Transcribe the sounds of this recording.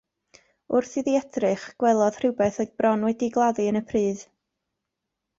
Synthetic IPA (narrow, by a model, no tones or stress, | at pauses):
ʊrθɨðiɛdrɨχɡ̥wɛlˠɔð̥r̥ɪwbɛθɛɡ̚brɔnwɛdiɡlˠaðɨənəpʰrɨːð